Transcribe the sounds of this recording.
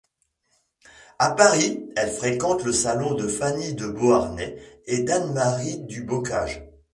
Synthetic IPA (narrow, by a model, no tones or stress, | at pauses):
apaʁiɛlfχekɑ̃t̪ləsalɔ̃d̪əfanid̪əboaʁnɛed̪anmaʁid̪ybɔka̰ːʒ